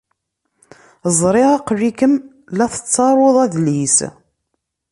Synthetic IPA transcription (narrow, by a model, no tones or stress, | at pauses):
zˤɾˤɪʁɑqːrːikəm | læθə̥t͡sːɑɾˤoðˤæðlis